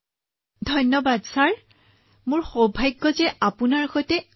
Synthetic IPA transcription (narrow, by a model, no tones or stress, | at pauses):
dʱɔjnɔbadsaɹ | mʊɹxobʱajɡːɔzɛʔapunaɹxojtɛ